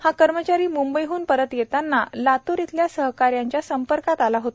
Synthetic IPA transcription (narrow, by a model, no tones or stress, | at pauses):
hakəɾmət͡ɕaɾiːmumbəjɦuːnpəɾət̪jet̪anːalat̪uɾit̪ljasəɦkaɾjaɲt͡ɕjasəmpəɾkat̪alaɦot̪a